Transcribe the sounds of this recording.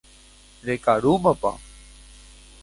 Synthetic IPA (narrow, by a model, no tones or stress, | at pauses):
ɾekaɾuməpa̰